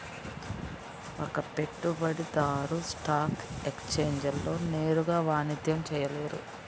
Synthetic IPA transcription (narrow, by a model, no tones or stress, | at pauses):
okɐpe̞ʈːubɐɽid̪aːɾusʈaːkekst͡ʃe̞ːɲd͡ʒɐlːo̞ːne̞ːɾuɡaːʋaːnid̪ʱjɐmt͡ʃɛːjɐleːɾṵ